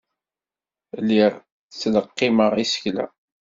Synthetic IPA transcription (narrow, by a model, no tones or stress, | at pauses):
lːiʁ | t͡sːləqːɪməʁisə̥çlæ̰